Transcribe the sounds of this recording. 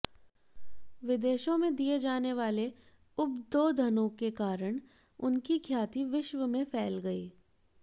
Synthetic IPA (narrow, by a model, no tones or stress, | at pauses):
ʋɪd̪eːʃõmẽd̪ied͡ʒaːneʋaːle | ʊbd̪oːd̪ʱɐnõkekaːɾəɽ̃ | ʊnkikʰjaːt̪iʋɪʃʋəmẽfʰɛːlɡɐiː